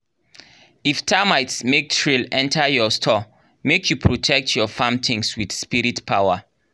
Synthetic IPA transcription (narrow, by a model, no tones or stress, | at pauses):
iftʰamajtsmek̚tʰɹilɛ̃ntʰajɔstʰɔ | mekʰjupʰɹotʰɛk̚tʰjɔfãmtʰĩŋswiθspiɹitpʰawa